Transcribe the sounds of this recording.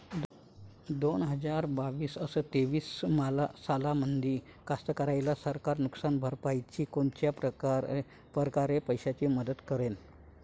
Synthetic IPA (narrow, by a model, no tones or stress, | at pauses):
d̪onɦəd͡zaɾbaʋiːsəsət̪eʋiːsmalasalamənd̪ʱiː | kast̪əkəɾajlasəɾkaɾnuksanbʱəɾpajt͡ɕiːkoɳt͡ɕja | pəɾkaɾepəjɕat͡ɕiːməd̪ət̪kəɾen